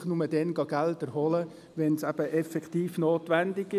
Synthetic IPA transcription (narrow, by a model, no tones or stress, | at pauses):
χnʊməd̥ɛnɡɑɡ̥æltɛɾhɔlə | ʋɛnsæb̥əʔɛfɛktiːfnoːtʋændɪɡɪ